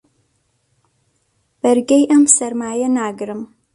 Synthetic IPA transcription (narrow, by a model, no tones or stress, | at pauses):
b̥ɐrɡɐjʔɐmsɐrmaːjɐnaːɡɨɾɨm